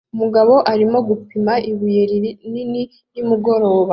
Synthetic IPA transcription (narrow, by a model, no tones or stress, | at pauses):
umuɡaβo̞ʔaɾimo̞ɡupimaʔiβujeɾiɾinini | nimuɡo̞ɾo̞ːwoβa